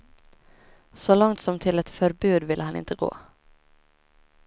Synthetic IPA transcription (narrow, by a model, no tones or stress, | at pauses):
sɔlɔŋt̪sɔmt̪ʰɪlɛt̪fœɾbʉ̟ːd̪vɪlːəɦanɪ̰nt̪əɡo̰ː